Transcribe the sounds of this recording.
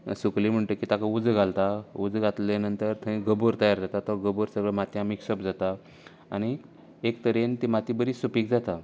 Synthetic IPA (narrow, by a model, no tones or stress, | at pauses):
suklim̤əɳt̪əkiːt̪akaud͡zɡʱalt̪aud͡zɡʱat̪lenənt̪əɾt̪ʰə̃ĩɡəboɾt̪əjaɾd͡zat̪at̪ɔɡəboɾsəɡɭəmat̪jamikɕəpd͡zat̪a | a̰ɽ̃i | ekt̪əɾent̪imat̪ibəɾiːsupiːk̚d͡zat̪a